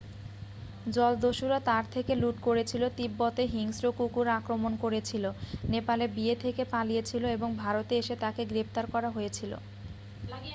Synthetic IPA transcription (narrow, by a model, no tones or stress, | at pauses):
d͡ʑɔld̪oʃuɾat̪aɾt̪ʰekeluʈkoɾet͡ɕʰilot̪ibːɔt̪eɦiŋsɾokukuɾakɾomonkoɾet͡ɕʰilonepalebiet̪ʰekepalijet͡ɕʰiloeboŋbʱaɾot̪eeʃet̪akeɡɾept̪aɾkɔɾaɦojet͡ɕʰilo̰